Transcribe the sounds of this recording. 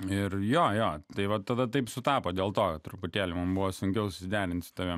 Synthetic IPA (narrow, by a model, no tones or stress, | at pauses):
ɪrjoːjoːt̪ɐɪʋɐt̪ːɐd̪ɐt̪ɐɪpsʊt̪ɑːpoːd̪ʲeːlˠt̪oːkɐt̪t̪ɾʊpʊt̪ʲeːlʲɪmɐmbʊʋoːsʊŋʲkʲɛʊsʊ̥sʲɪd̪ʲæːɾʲɪnt̪sʊ̥t̪ɐʋʲiɛm